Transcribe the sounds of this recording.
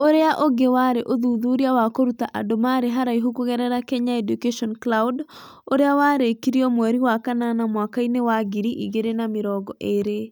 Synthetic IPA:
oɾeaʔoɡewaɾeʔoðuðuɾiawakoɾutaʔa̰domaɾeɦaɾaiɦokuɣɛɾɛɾakɛɲaɛdukeʃɔnklaud | oɾeawaɾekiɾiɔmwɛɾiwakananamwakainewaɡiɾiʔḭɣeɾenameɾɔɡɔʔeɾe

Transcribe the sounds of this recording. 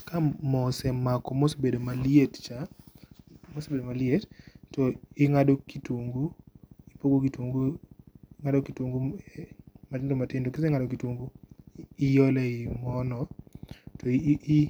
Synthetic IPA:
kamɔsɛmakɔmosbedomaliett͡ʃa | mosebedomalɪettɔɪŋadokitwoŋɡuipoɡokitwoŋɡuɪŋadokitwoŋɡu | matɪndomatɪndokeseŋadokitwoŋɡu | ɪjɔlɛɪmɔnɔtɔ

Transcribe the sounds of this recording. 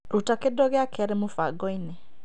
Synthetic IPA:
ɾutakedɔɣeakʰɛɾemofaɡɔine

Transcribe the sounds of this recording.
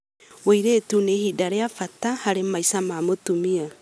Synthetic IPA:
wojɾeːtunehidaɾeafatahaɾemajsamaːmotumia

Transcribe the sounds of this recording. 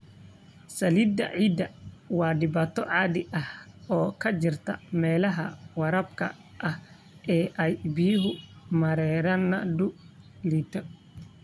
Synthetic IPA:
sɐlid̪ɐ̰ʕiːd̪ɐwɑːɖɪbaːt̪ʰɔʕɑːd̪ɪʔɐhɔːkʰɐt͡ʃɪrt̪ʰɐ̰mɛːlɐɦɐwɐɾɐbkʰɐ̰ | ʔɐh | ʔɛːʔɐjbijɦʊmɐɾɛːɾɐnɐd̪ʊliːt̪ʰɔ

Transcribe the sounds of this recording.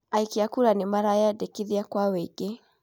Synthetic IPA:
aikiakuɾanemaɾajadekiðiakwaweɡ̥e

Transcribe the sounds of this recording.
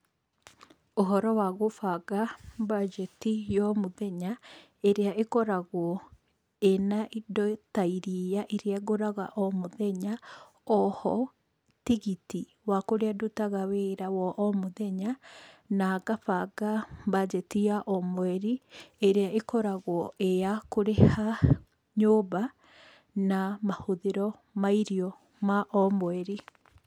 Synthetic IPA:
oɦɔɾɔwaɣofaɣabad͡ʒɛtijɔmoðɛɲa | eɾeaʔekɔɾaɣwɔ | enaʔidɔtaiɾijaʔeɾeaɣoɾaɣa̰ʔɔmoðɛɲa | ɔhɔ | tiɣiti | wakoɾeadutaɣaweːɾawɔʔɔmoðɛɲanaɡapaɡabad͡ʒɛtiaʔɔmwɛɾieɾeaʔekɔɾaɣwɔeakoɾeha | ɲoːβa | namahoðeɾɔ | maiɾiɔ | maʔɔmwɛɾi

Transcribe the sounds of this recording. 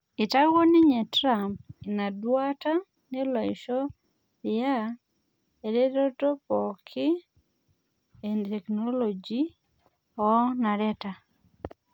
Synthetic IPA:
itaɡoniɲɛtɾamp̚inadwata | nelwaiʃɔ | ja | eɾeɾɔtopɔkʰi | ɛntɛknolod͡ʒi | ɔnaɾɛta

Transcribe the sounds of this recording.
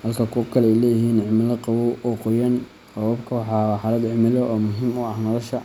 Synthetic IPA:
hɐlkʰɐkʰʊkʰɐlɛɛjlɛːjɦiːnʕɪmɪlɐqɑwɔʔɔqɔjɐn | qɑwɐbkʰɐwɑħɑːħɑlɐd̪ʕɪmɪlɔʔɔːmʊɦiːmʊɐhnɔlɐʃɐ

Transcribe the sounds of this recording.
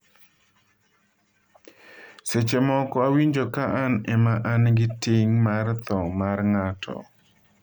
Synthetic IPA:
set͡ʃemɔkɔawiɲd͡ʒokaʔanɛmaʔanɡɪtɪŋmart̪ɔmarŋatʰɔ̰

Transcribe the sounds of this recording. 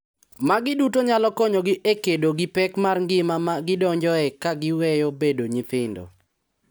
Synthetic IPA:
maɡɪdutoɲalɔkɔɲoɡɪʔekedoɡɪpɛkmarŋɡɪmamaɡɪdɔɲd͡ʒɔɛkaɡɪwɛjobedoɲit̪ɪndɔ̰

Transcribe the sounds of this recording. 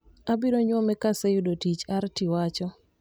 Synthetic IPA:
abiɾoɲwɔmɛkasejʊdotit͡ʃartiwat͡ʃɔ

